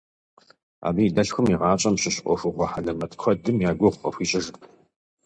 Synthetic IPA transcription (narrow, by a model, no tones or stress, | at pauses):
a̰ːbiːdɐɬxʷʊmiʁɑːt͡ʃʼɐmɕɪɕʔʷɔ̰fʷʊχʷɔħalɐmɐtʰʼxʷʰɔdɨmjaːɡʷɔʁʷqɐ̰xʷiːt͡ʃʼɪʒ